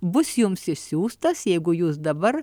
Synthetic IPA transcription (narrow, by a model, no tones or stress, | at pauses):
bʊsjʊmsɪʃsʲuːst̪ɐsjɛɪɡʊjuːsd̪ɐbɐɾ